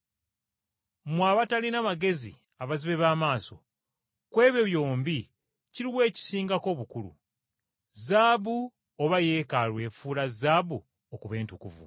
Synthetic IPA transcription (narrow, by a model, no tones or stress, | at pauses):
mwaβatalinaβaɡe̞zḭ | aβaziβe̞βaːmaːso̞̰ | kwe̞ːβjeβjo̞ːmbi | ciɾiβwe̞ːci̥siːŋɡako̞ːβukulṵ | zaːβu | oβaje̞ːkalwe̞ːfuːlazaːbu | okuβe̞ːntukṵvṵ